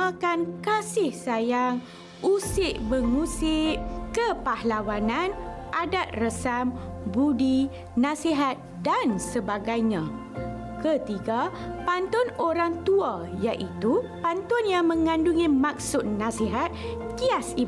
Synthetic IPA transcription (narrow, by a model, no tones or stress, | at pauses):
akankasɪhsajaŋ | usɪʔbəŋusɪʔkəpahlawanãnʔadat̪̚rəsambudi | nãsiɦat̪̚dansəbaɡajɲã | kət̪iɡapant̪ɔnoɾaŋt̪uajaʔit̪upant̪ɔnjaŋmə̃ŋãnduŋimak̚sʊt̪̚nãsiɦat̪̚kiasi